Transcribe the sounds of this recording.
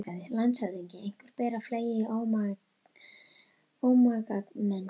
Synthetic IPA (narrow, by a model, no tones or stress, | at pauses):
kaðɪlant̪saðiɲcɪejŋ̥kvʏɾ̥pɛːɾafleːjɪʔoːwma | owmakat̪mɛnː